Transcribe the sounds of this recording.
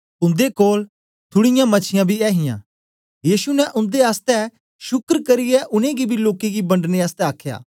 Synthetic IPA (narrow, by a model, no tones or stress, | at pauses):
ʊ̃nd̪ekoːl | t̪ʰʊɽɪjãmɐt͡ʃʰɪjãbʱiɛːɦɪjã̰ | jiːsunɛʔʊ̃nd̪eaːst̪ɛ | ʃʊkɾkɐɾɪjɛʔʊnẽɡibʱiloːkeɡibɐ̃ɳɖneaːst̪ɛaːkʰja̰ː